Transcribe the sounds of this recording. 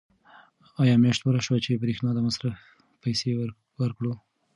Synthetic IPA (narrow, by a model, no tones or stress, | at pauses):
ɑjɑmjɑʃt̪puɾaʃwat͡ʃebɾexnɑd̪amasɾaf | pajse | waɾkɽo